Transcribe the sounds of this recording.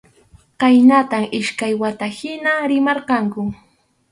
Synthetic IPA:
qɑjnat̪amɪʃkajwat̪ahɪnaɾɪmɑɾqɑŋkʊ

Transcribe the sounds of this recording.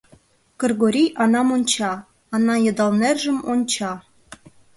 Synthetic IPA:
kɤ̆rɡoɾʲijʔɑnɑmonʲt͡ɕɑː | nɑjɤ̆d̪ɑlˠnerʲʒɘ̆mont͡ɕɑ

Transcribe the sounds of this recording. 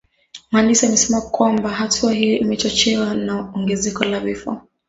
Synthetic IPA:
manisaamɛsɛmakwambaɦatʰuaɦijɔʔimɛt͡ʃɔt͡ʃɛwanaɔŋɡɛzɛkɔlavifɔ̰

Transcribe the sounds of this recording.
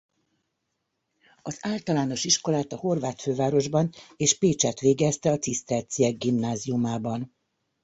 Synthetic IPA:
ɒzaːlt̪ɒlaːno̞ʃiʃko̞laːt̪ɒho̞rvaːt̪føːvaːɾo̞ʒbɒneːʃpeːt͡ʃɛt̪ʋeːɡɛst̪ɛɒt̪sist̪ɛlt̪sijɛɡɡimnaːziumaːbɒn

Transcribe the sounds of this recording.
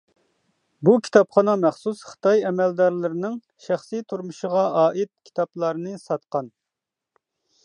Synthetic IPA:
bukʲʰi̥t̪ʰɑpχɑnɑmɛχsusχə̥t̪ɑjɛmɛld̪ɑɾlɪɾɪnɪŋ | ʃæχsit̪ʰuɾmuʃəʁɑɑːʔit̪̚kʲʰi̥t̪ʰɑplˠɑɾnɨsɑt̪qɑn

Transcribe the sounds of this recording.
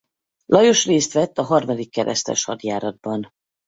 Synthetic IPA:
lʔɒjo̞ʃreːst̪ʋɛt̪ːɒɦɒrmɒd̪ikːɛɾʔɛ̰st̪ɛ̰ʃhɒd̪jaːɾɒd̪̚bɒn

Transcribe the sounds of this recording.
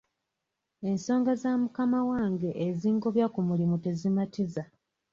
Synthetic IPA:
e̞nso̞ːŋɡazamukamawaːŋɡe̞ʔːziːŋɡo̞βjakumulimute̞zimatiza

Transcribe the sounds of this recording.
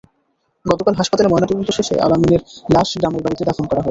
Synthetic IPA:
ɡɔt̪okalɦaʃpat̪alemɔenat̪okont̪oʃeʃḛʔa̰lamineɾlaʃɡɾamelbaɾit̪ed̪afʰonkɔɾaɦɔ

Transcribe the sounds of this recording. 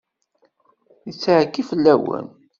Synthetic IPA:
jət͡sːʕkːifəlːæwə̰n

